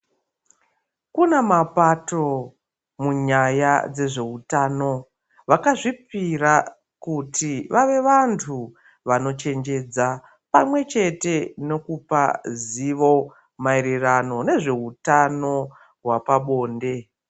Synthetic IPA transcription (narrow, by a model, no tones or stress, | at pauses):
kunemapato | muɲajad͡ze̞ʐe̞utano̞ | ʋakaʐipira | kutʰiʋʔaʋe̞ʋantʰu | ʋano̞t͡ʃe̞nd͡ʒe̞d͡za | pa̰mwe̞t͡ʃe̞te̞no̞kupa̰ziʋo̞ | maeɾerano̞ne̞ʐe̞utano̞ | ɦwapaɓo̞ːnde̞